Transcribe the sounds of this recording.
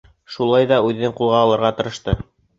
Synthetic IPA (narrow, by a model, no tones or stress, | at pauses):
ʃulˠɑjðɑʉðɘ̆nɘŋqulˠʁɑːlˠɤ̆ɾʁɑt̪ɤ̆ɾɤ̆ʃt̪ɤ